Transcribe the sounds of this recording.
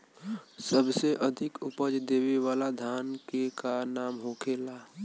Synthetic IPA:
səbseʔəd̪ʱɪkʊpəd͡ʒd̪eːweʋaːlad̪ʱaːnkekanaːmɦoːkʰeːla

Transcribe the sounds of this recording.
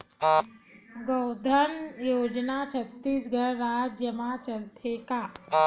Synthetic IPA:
ɡod̪ʱənjoːd͡ʒnat͡ʃʰət̪ːiːsɡʱəɭɾaːd͡ʒjəmat͡ʃəlt̪ʰekaː

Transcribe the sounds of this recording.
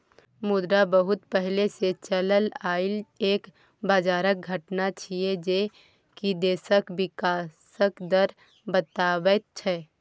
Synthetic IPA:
mʊd̪ɾabəɦʊt̪pɛɦleset͡ʃələlaːɪleːk | baːd͡ʒaːɾək̚ɡʱəʈnat͡ʃʰied͡ʒe | kid̪eːsəkbɪkaːsəkd̪əɾ | bət̪aːwət̪̚t͡ʃʰɛː

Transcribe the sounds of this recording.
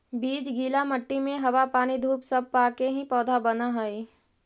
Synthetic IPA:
biːd͡ʒɡiːlamɐʈːimẽɦɐʋapaːnid̪ʱuːpsɐb̚paːkeɦĩpɔːd̪ʱabɐnaɦoi

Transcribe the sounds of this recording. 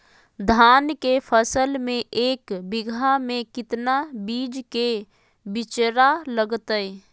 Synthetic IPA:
d̪ʱaːnkepʰəsəlmẽʔeːkbɪɡʱamẽkɪt̪nabiːd͡ʒke | bɪt͡ʃɾaləɡt̪əe

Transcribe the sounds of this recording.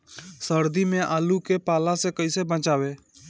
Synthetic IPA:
səɾd̪imẽʔaːlukepaːlãsekəisebə̃t͡ʃaːʋeː

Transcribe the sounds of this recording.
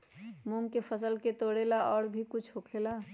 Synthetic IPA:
muŋɡkepʰəsəlket̪oɽelaɔːɾbʱikut͡ʃʰɦokʰela

